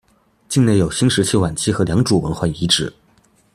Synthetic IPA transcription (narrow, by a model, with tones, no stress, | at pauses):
t͡ɕi˥˧ŋne˥˩jo˨˩ʊɕi˥ŋʂɻ̩˧˥t͡ɕʰi˥˩wa˨˩nt͡ɕʰi˥xɤ˧˥ljɑ˧˥ŋʈ͡ʂu˨˩wə˧˥nxwa˥˩ɪi˧˥ʈ͡ʂɻ̩˨˩˦